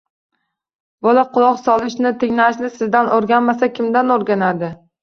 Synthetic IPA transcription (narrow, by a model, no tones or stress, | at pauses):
bɒlaqʰʊlˠɒqsɒlˠɪʃnɪt̪ʰeŋnaʃnɪsɪzd̪anoɾɡʲanmasakʲʰɪmd̪anoɾɡʲanad̪ɪ